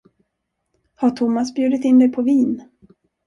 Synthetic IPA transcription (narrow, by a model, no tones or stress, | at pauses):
haʈʰʊmːasbjʉd̪ɪt̪ɪnd̪ɛjpʰɔviːn